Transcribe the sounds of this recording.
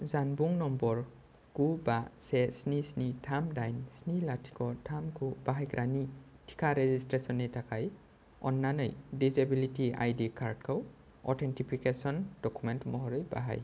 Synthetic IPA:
zanbuŋnɔmbɔɹ | ɡubasɛsnisnitʰamdajnsnilatʰi̥kɔtʰamkubaɦajɡɹʔani | tʰi̥kʰaɹɛzistɹesɔnɛtʰakaj | ɔ̰nːanɔ̰jdizebilitia̰jdikʰaɹdkʰaw | ɔ̰tʰɛntipʰikesɔnd̥ɔkumɛntmɔɦɔɹɔjba̰ɦa̰j

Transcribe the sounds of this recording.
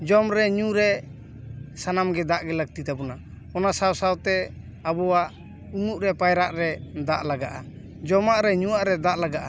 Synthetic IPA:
d͡ʒɔmɾɛɲuɾɛ | sanamɡɛd̪aʔɡɛləɡ̚t̪it̪abɔna | ɔnasawsawt̪ɛ | abɔwaʔ | uŋuʔɾɛpajɾaʔɾɛd̪aʔlaɡaʔa | d͡ʒɔmaʔɾɛɲuwaʔɾɛd̪aʔlaɡaʔa

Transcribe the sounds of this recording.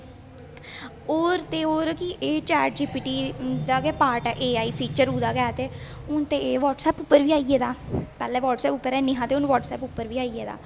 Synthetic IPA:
oːɾt̪eːoːɾkiʔeːt͡ʃaːɾʈ̚d͡ʒiːpiːʈiːd̪aːɡɛːpaːɾʈɛːʔeːaːiːpʰiːt͡ʃəɾuːd̪aːɡɛːt̪eːʊnt̪eːeːʋɔːʈsɛːpʊpːəɾʋiːaːieːd̪aːpɛːlɛːʋɔːʈsɛːpʊpːəɾɛːnɪɦãːt̪eːʊnʋɔːʈsɛ̰ːpʊpːəɾʋiːaːiːeːd̪a̰ː

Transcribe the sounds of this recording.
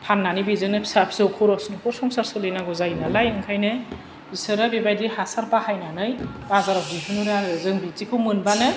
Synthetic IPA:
pʰanːanibizɯŋnɯpʰi̥sapʰsɯwkʰɔɾɔsnɯkʰɔɾsɔŋsaɾsɯlɯjnaɡɔzajnalajɯŋkʰajnɯ | zisɯɾɯbibajdihasaɾpahajnanɯjazaɾɔp̚diɦɯnuɾaɯzɯŋbit͡ʃikʰɯmɯnbanɯ

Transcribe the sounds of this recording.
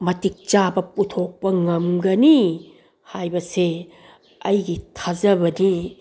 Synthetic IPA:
mɐtik̚t͡ʃabɐputʰok̚pɐŋɐmɡɐni | hajbɐse | ɐjɡitʰazɐbɐni

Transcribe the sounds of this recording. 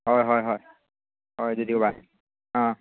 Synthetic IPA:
ɦɔjɦɔjɦɔj | ɦɔjzodiʊba | ɔ̃

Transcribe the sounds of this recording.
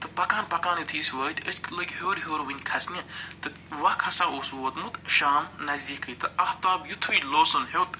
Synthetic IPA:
t̪ɨpɐkaːnpɐkaːnjut̪ʰiːsʋəːt̪ʲət͡ʃklɐɡʲhoːɾɦoːɾʋinʲkʰɐsnʲɐt̪ɨ | ʋɐhkʰɐsaːʔoːswoːt̪mut̪ʃaːmnɐzd̪iːkʰət̪ɨʔɐht̪aːbjut̪ʰwiloːsɐnhʲowt̪

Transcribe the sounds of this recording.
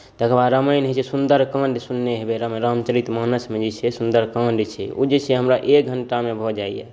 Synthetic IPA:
t̪əkʰbaɾəməjnɦet͡ʃʰɛsund̪əɾkãɳɖsunːeɦebeɾəmɾamt͡ʃəɾit̪maːnəsmed͡ʒet͡ʃʰɛsũnd̪əɾkãɳɖt͡ʃʰɛ̰o̰d͡ʒet͡ʃʰɛɦəmɾaʔek̚ɡʱəɳʈamebʱɔd͡ʒaijɛ̰

